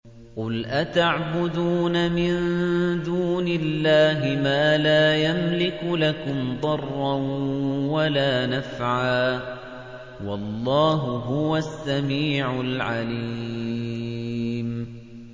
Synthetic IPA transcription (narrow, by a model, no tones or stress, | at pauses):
qʊlʔat̪aʕbʊd̪uːnamɪnd̪uːnɪlːaːɦɪmaːlaːjamlɪkʊlakʊmd̪ˤɑrˤːɑ | walaːnafʕaː | wɑlˤːɑːɦʊɦʊwasːamiːʕʊlʕaliː | m